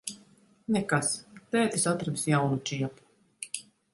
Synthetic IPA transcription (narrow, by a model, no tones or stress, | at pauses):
nɛkast̪ɛːt̪ʲisat̪ɾad̪sjawnut͡ʃiɛpu̥